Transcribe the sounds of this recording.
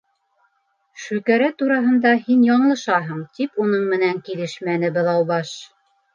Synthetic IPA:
ʃʉkæɾæt̪uɾɑɦɤ̆nd̪ɑhinjɑɴlˠɤ̆ʃɑɦɤɴt̪ipunɤɴmɘ̆næŋkilɘʃmænɘbɤ̆lðˠɑwbɑʃ

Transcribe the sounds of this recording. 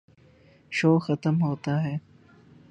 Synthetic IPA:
ʃoːxɐt̪əmɦoːt̪aɦɛː

